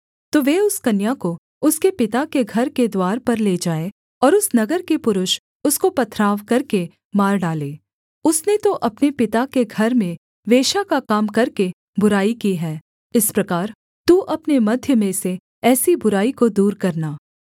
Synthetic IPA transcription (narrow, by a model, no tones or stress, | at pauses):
t̪oːʋeːʊskɐnjako | ʊskepɪt̪akeɡʱɐɾked̪waːɾpɐɾleːd͡ʒaːẽ | ɔːɾʊsnɐɡəɾkepʊɾʊʃ | ʊskopɐt̪ʰɾaːʋkɐɾke | maːɾɖaːleː | ʊsnet̪oʔɐpnepɪt̪akeɡʱɐɾmẽ | ʋeːʃakakaːmkɐɾke | bʊɾaːikiɦɛː | ɪspɾɐkaːɾ | t̪uːʔɐpnemɐd̪ʱjəmẽse | ɛːsibʊɾaːikod̪uːɾkɐɾnaː